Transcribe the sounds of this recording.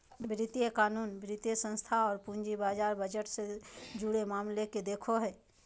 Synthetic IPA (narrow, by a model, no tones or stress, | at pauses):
bɾɪt̪ijekaːnuːnbʱɾɪt̪jesə̃nst̪ʰaɔːɾpũnd͡ʒibaːd͡ʒaːɾbəd͡ʒəʈsed͡ʒʊɽemaːmleked̪eːkʰoɦɛː